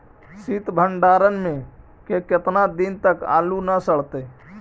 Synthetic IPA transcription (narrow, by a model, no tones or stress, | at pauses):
sit̪bʱəɳɖaːɾənmẽ | keket̪nad̪int̪əka̰ːlunəsəɭ̤t̪e